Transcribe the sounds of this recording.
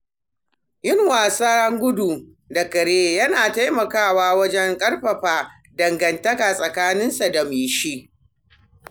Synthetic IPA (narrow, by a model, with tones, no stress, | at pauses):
jɪ˦ŋwaː˨saː˦hɐ˦ŋɡʷʊ˦du˨ | dɐ˨kɐ˨ɽeː˦jɐ˦naː˨ta˦jmɐ˨kaː˦˨waː˦wɐ˦d͡ʒɛ˦ŋkʼɐ˦rɸɐ˨ɸaː˦ | dɐ˨ŋɡɐ˨ntɐ˦kaː˨sʼɐ˨kaː˦nɪ˦nsa˨da˨miː˨ʃi˦ʔ